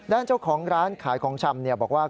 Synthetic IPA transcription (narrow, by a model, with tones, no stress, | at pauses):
daː˥˩nt͡ɕa˥˩wkʰɔː˩˦ŋɾaː˦˥nkʰaː˩˦jkʰɔː˩˦ŋt͡ɕʰa˧mni˥˩ɐbɔː˨˩k̚waː˥˩